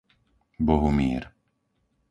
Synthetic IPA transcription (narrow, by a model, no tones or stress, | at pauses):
bɔɦumɪɛ̰ɾ